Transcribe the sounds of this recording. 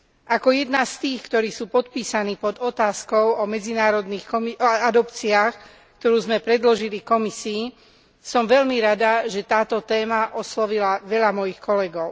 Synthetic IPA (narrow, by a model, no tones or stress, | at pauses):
ʔakɔjɛd̪nast̪iːxkt̪ɔɾiːsuːpɔt̪̚piːsaniːpɔd̪ɔt̪aːskɔʊɔmɛd͡zinaːɾɔd̪niːxɔmiad̪ɔpt͡siaːx | kt̪ɔɾuːzmɛpɾɛd̪lɔʒilikɔmisiː | sɔmʋɛʎmiɾad̪aʒɛt̪aːt̪ɔt̪ɛːmaʔɔslɔʋilaʋɛʎamɔjixkɔlɛɡɔʊ